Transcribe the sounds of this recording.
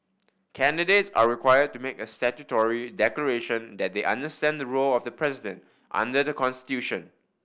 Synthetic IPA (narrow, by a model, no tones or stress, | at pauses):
kʰɛ̃ndidetsa̰ɹikʰwajəd̚tːumekəstɛtutɔɹidɛkləɹeʃə̃nd̪ɛt̚d̪eʔã̰ndəstɛ̃nd̪əɹolɔfdəpʰɹɛzidə̃nt | ʔã̰ndədəkɔ̃nsti̥tjuʃə̃n